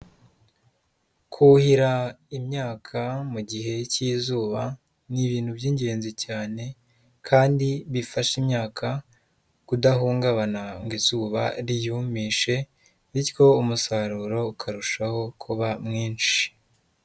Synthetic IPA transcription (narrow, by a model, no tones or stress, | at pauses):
kʰuhiɾaimɲaːkʰamuɟiɦe̞cizuːβa | niβiːn̥hubjiːɲɟe̞ːnzicaːne̞ | kʰaːndiβifaʃimɲaːkʰa | kudaɦuːŋɡaβanaŋɡiz̥uːβa̰ɾijumiːʃe̞ | βiɾko̞umusaɾuːɾo̞ukʰaɾuʃaho̞kʰuβamŋiːnʃi̥